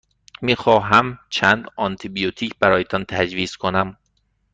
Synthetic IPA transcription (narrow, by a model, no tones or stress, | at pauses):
miːxɒːɦæmt͡ʃʰænd̪ɒnt̪ʰibijot̪ʰiːcʰbæɾɒːjet̪ʰɒnt̪ʰæd͡ʒviːz̥kʰonæm